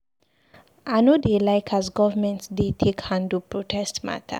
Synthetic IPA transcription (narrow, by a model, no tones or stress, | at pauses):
anodelaɪkʰazɡɔvəmɛ̃ntsdetʰekhãndupɹotʰɛstma̰tʰə̰